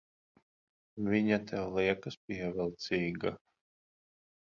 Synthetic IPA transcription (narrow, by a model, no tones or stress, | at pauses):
vʲiɲat̪ʰɛwliɛkɨspʲiɛvʲɛlˠt̪siːɡa